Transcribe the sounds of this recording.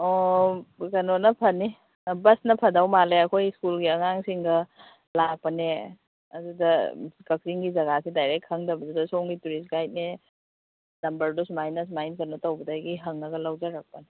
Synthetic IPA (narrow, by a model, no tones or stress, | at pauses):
o | kɐnonɐpʰɐni | bɐsnɐpʰɐdawmaleɐkʰojskulɡiɐŋaŋsiŋɡɐ | lak̚pɐne | ɐ̰dudɐkɐk̚siŋɡizɐɡasidajɾek̚tʰɐŋdɐbɐdudɐsoŋɡituɾis̬ɡajt̚ne | nɐmbɐɾdosmajnɐs̬majnkɐnotɐwbɐdaɡiɦɐŋnɐɡɐlawd͡ʒɐɾak̚pɐne